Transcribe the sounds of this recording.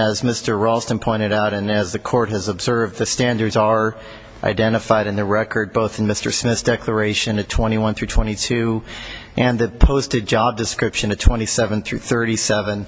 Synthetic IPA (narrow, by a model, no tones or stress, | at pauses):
ɨzmɪstə˞ɹɔlˠstə̃npʰɔ̃ɪ̃ɾ̃ɨɾaʊɾɨ̃nɨzðɨkʰɔɹt̚hɨzəbzɜ˞vðɨstæ̃ndə˞dzə˞ | ʔa̰ɪdɛ̃ɾ̃ɨfaɪɾɨ̃nðɨɹɛkʰə˞d̚boʊθn̩mɪstə˞smɪθd̥ɛkʰlə˞eɪʃɨ̃nɨtʰw̥ɛ̃ɾ̃iwʌ̃nθɹʉtʰw̥ɛ̃ɾ̃itʰʉ | ʔɨ̃nðɨpʰoʊstɨd̚d͡ʒɑb̚dɨskɹɪpʃɨ̃nɨtʰw̥ɛ̃ɾ̃isɛvɨ̃nθɹʉθɜ˞ɾisɛvɨ̃n